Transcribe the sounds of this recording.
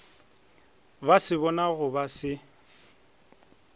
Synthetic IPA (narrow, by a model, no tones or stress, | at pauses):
basɪβɔnaɣʊbasɪ